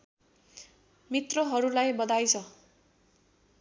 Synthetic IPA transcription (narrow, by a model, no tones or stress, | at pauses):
mit̪rʌɦʌɾulajbʌd̪ajt͡sʰʌ